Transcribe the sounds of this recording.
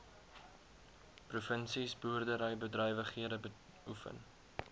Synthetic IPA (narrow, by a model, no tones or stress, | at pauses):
prufənsisbuərdəɾəjbədrœjvəχiədəbə | ufə̰n